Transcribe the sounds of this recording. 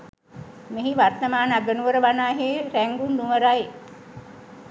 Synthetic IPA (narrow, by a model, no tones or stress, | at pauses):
meɦiʋart̪əmaːnaɡənuʋəɾəʋanaːɦeːɾæŋɡund̪uʋəɾaj